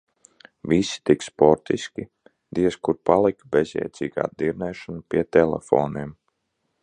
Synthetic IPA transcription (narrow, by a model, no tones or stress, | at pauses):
visi̥t̪ikspɔɾt̪iskʲi | d̪iɛskuɾpalˠikbezʲjɛ̰jt̪sʲiːɡa̰ːd̪iɾnɛːʃɔnpiɛt̪ɛlɛ̰fo̰ːnim